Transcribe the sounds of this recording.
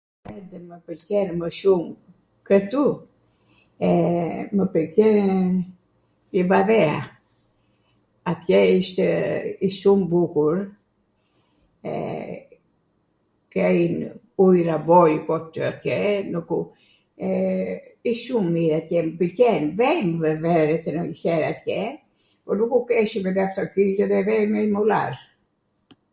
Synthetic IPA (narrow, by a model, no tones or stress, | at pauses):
ɛd̪ɛməpəlkɛnməʃum | kət̪u | ɛməpəlkɛɾ | ivaðɛa̰ | at̪jɛiʃt̪ɛiʃumbukuɾ | ɛ̰ | kɛjn | ujɾabɔjkɔt̪t̪at̪kɛnuku | iʃʃumːiɾat̪kɛmpəlcɛnvɛjmvɛvɛɾɛt̪ɛnəçɛɾat̪kɛ | pɔnukukɛʃimɛd̪ɛaft̪ɔkiɛðɛvɛmɛjmula̰ɾ